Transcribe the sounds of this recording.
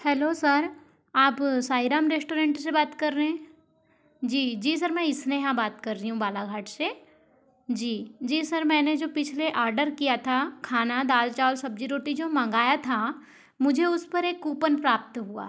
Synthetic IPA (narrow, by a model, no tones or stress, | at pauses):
hɛːloːsɐɾ | aːpsaːɪɾaːmɾeːsʈoːɾẽːɳʈsebaːt̪kɐɾːeɛ̃ː | d͡ʒiːd͡ʒiːs̬ɐɾmɛ̃ɪsneɦãbaːt̪kɐɾːiɦũbaːlaɡʱaːʈʰse | d͡ʒiːd͡ʒiːsɐɾmɛ̃ːned͡ʒoːpɪt͡ʃʰleʔaːɾɖəɾkijat̪ʰakʰaːnad̪aːlt͡ʃaːlsɐb̚d͡ʒiɾoːʈid͡ʒoːmɐ̃ŋɡaːjat̪ʰa | mʊd͡ʒʱeʊspɐɾeːkuːpənpɾaːp̚t̪ɦua̰ː